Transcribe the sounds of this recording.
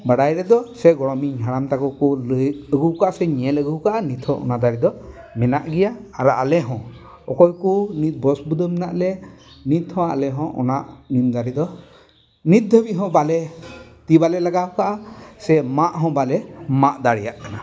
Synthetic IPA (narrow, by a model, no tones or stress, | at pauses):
baɽajɾɛd̪ɔsɛɡɔɽɔmiɲɦaɽamt̪akɔkɔləəɡuwkaʔasɛɲɛɛləɡuwkaʔanit̪ʰhɔ̃ʔɔ̰nad̪aɾid̪ɔ | mɛnaʔɡɛjaːɾɔʔalɛɦɔ̃ | ɔkɔjkunit̪̚bɔsbud̪ɔmɛnaʔlɛnit̪hɔ̃a̰lɛɦɔ̃ʔɔ̰naʔnimd̪aɾid̪ɔ | nit̪̚d̪əbiɦɔ̃balɛt̪ibalɛlaɡakaʔasɛmaʔɦɔ̃balɛmaʔd̪aɽijaʔkana